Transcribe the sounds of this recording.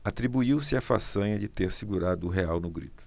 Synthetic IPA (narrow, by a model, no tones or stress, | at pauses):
at̪ɾibuiwsɪafasɐ̃ɲɐd͡ʒɪt̪eɾsiɡuɾad̪ʊːɦeawnʊɡɾḭt̪ʊ̥